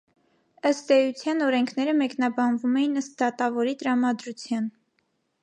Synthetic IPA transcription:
əst̪ɛjut͡sʰjɑnɔɾɛŋkʰnɛɾəmɛknɑbɑnvumɛjinəst̪̚d̪ɑt̪ɑvɔɾit̪əɾɑmɑd̪ɾut͡sʰjɑn

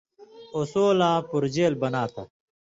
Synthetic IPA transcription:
osoːlãːpuɾd͡ʑeːlbɐnaːt̪ʰa̰

